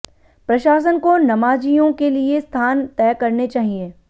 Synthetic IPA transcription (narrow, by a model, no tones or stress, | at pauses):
pɾɐʃaːs̬ənkonɐmaːd͡ʒijõkeliest̪ʰaːnt̪ɛːkɐɾnet͡ʃaːɦieː